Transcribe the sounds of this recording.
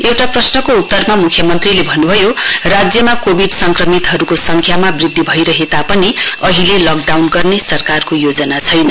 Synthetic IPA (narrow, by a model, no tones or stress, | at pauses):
ewʈaprʌsnʌkout̪ːʌrmamukʰjʌmʌnt̪rilebʱʌnːubʱʌjorad͡zjʌmakobʱiɖsʌŋkrʌmit̪ɦʌɾukosʌŋkʰjamabrid̪ʱːibʱʌjɾʌɦet̪apʌniʌɦilelʌk̚ɖawnɡʌrnesʌrkarkojod͡zʌnat͡sʰʌjnʌ